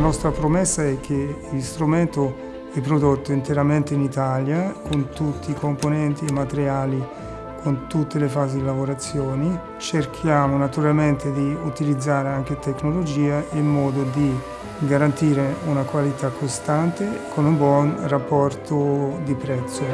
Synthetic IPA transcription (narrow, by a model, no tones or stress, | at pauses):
nɔst̪ɾapɾomɛsːaɛk̟ːelst̪ɾument̪o | d̪ipɾod̪ot̪ːoint̪eɾament̪einit̪aljakont̪ut̪ːiːkomponɛnt̪iemːat̪eɾjaːli | kʰont̪ut̪ːelefaːzid̪ilavoɾat̪sːjɔːni | t͡ʃerkʰjaːmonat̪uɾalment̪ed̪iut̪ilid̪zːaːɾeaŋk̟et̪eknolod͡ʒiːailmɔːd̪od̪i | ɡaɾant̪iːɾeunakwalit̪akːost̪ant̪ekʰonumbwɔnrapːɔrt̪od̪ipɾɛt̪sːo